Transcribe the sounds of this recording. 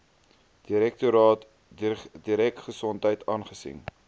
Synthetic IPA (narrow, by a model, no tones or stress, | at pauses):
d̥iɾɛk̚tuɾɑːt | diɾɛk̚tχəsɔntɦəjtɑːnχəsḭŋ